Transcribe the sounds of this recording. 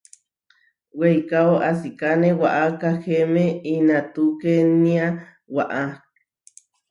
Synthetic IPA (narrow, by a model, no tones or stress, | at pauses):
wejkaoʔasikanewaʔakahemeinat̪ukenia | waʔa